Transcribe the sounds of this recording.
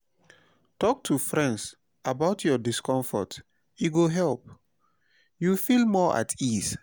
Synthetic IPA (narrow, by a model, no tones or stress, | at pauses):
tɔk̚tʰufɹɛ̃nds | abaʊtʰjɔdiskɔ̃ɱfɔ̰t | iɡoɦɛlp̚ | jufilmɔʔa̰tʰis